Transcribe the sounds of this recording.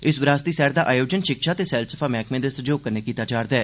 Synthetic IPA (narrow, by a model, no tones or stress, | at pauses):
ɪsʋɾaːst̪iːsɛːɾd̪aːʔaːjoːd͡ʒənʃɪkʃaːt̪eːsɛːlsəpʰaːmɛːkmẽːd̪eːsəd͡ʒoːkəɾneːkiːt̪aːd͡ʒaːɾd̪ɛː